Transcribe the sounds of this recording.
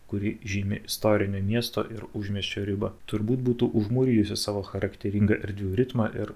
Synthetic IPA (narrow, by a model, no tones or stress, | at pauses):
kʊɾʲɪʒʲiːmʲɪ̰ʔɪst̪oːɾʲɪnʲoːmʲiɛst̪o̰ːʔɪɾʊʒʲmʲɛsʲt͡ʃʲoːɾʲɪbɐt̪ʊɾbuːt̪̚buːt̪uːʔʊʒmuːɾʲiːjʊsʲɪsɑːʋoːxɐɾɐkt̪ʲɛɾʲɪŋɡɐʔɛɾʲd̪ʲʋʲuːɾʲɪt̪mɑʔɪɾ